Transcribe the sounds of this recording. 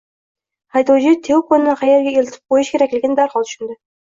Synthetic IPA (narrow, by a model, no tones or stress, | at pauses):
hɑjd̪od͡ʒɪt̪ʰewkʰonɪnɪqʰɑjeɾɡʲɛelt̪ʰɪ̥p̚qojuʃkʲeɾækʲlʲɪɡʲɪnd̪æɾχɑlˠt̪ʰy̥ʃynd̪ɪ